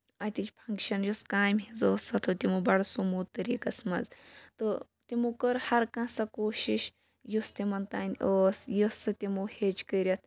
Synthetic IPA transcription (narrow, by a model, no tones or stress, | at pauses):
ɐt̪ʲit͡ʃʲpʰɐŋkʃɐnjuskaːjmɦizoːsɐt̪ʰot̪ʲimubɐɽsumuːt̪ɐɾiːkɐsmɐ̰zt̪ɨ | t̪ʲimukɐɾhɐɾkãsɐkoːʃiʃ | just̪imɐnt̪aːnʲʔoːsjɐsɨt̪ʲimuhet͡ʃkəɾʲɐt̪ʰ